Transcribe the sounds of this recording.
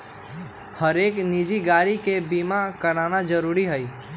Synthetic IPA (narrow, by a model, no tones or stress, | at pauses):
həɾeːknid͡ʒiɡaːɾikebimakəɾaːnad͡ʒəɾuːɾiɦəi